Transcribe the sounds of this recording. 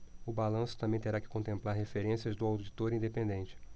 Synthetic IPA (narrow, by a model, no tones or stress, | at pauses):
ʊbalɐ̃sʊ̥t̪ɐ̃mbẽj̃t̪eɾakɪ̥kõnt̪ẽmplaɾɦefeɾẽsiɐzd̪ʊawd͡ʒit̪oɾĩd̪epẽnd̪ẽnt͡ʃɪ̥